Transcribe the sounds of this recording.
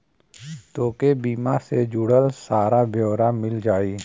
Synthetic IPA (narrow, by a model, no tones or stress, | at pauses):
t̪oːkebiːmased͡ʒʊɽəlsaːɾabjoːɾamɪld͡ʒaːiː